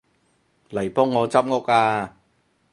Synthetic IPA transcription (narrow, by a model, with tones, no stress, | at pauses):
lɐ˨˩jpɔː˥ŋːɔː˨˧t͡sɐ˦˥p̚ŋo˥k̚ʔaː˧